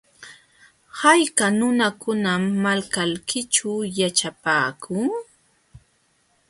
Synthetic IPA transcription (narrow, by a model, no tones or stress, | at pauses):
hajkanʊnakʊnamːalkalkʰɪt͡ʃajat͡ʃapaːkʰʊŋ